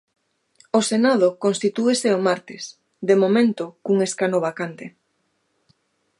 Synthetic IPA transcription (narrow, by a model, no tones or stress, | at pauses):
osenað̞okonst̪it̪ueseomaɾt̪ɪs | d̪emomẽnt̪ʊkuŋeskanoβakant̪e